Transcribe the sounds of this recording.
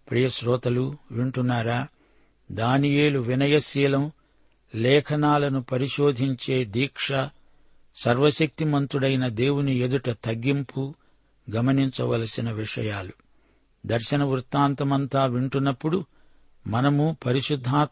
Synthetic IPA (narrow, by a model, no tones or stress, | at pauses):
pɾijɐʃɾɔːt̪ɐluʋiɳʈunːaːɾaː | d̪aːnijeːluʋinɐjɐʃiːlɐm | lɛːkʰɐnaːlɐnupɐɾiʃoːd̪ʱiɲt͡ʃeːd̪iːkʂɐ | sɐɾʋɐʃɐk̚t̪imɐnt̪uɽɐjnɐd̪eːwunie̞d̪uʈɐt̪ɐɡːimpu | ɡɐmɐniɲt͡ʃɐʋɐ̰lɐsinɐʋiʂɐ̰jaːlu | d̪ɐɾʃɐnɐʋuɾt̪ːaːnt̪ɐmɐnt̪aːʋiɳʈunːɐpːuɽu | mɐnɐmupɐɾiʃud̪ʱːaː